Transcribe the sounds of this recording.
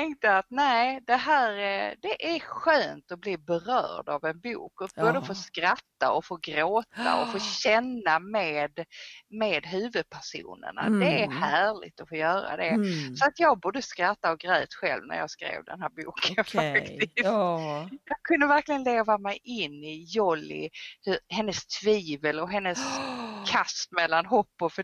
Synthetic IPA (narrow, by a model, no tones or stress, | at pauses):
t̪ʰɛŋkt̪əat̪næːɪd̪ɛɦæːɾd̪ɛʔæɾɧøːnt̪ɔblibɛɾœ̰ːɖavɛnbṵːkɔboːd̪əfoːskɾat̪ːa̰ɔfoːɡɾoːt̪a̰ɔfoːɕɛnːameːd̪meːd̪ɦʉ̟ːvɵd̪̚pʰæʂṵːnə̰ɳa̰d̪ɛæɾhæːɭɪ̰ɡt̪ɔfoːjœːɾa̰d̪ɛsɔat̪jɑːɡ̚bʊːɖəskɾat̪ːaɔɡɾœːt̪ɧɛ̰lvnæ̰ɾjɑ̰ːɡskɾḛːvd̪ɛ̰nɦæːɾbṵːkʰənfakt̪ɪst̪jɑkʰɵnd̪əvæɾklɪɡənleːvamɛjʔɪnːɪjɔlɪ̰hɵɾhɛnːəst̪ʰviːvəlɔɦɛnːəskʰast̪mɛlːanɦɔpːɔf